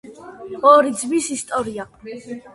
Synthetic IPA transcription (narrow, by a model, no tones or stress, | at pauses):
ɔɾid̪zmisist̪ʼɔɾia